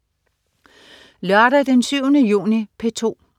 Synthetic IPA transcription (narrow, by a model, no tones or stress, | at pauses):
lœɐɾɐd̥ensyʊnəjṵːnipʰe̝t͡sʰo̝̰ː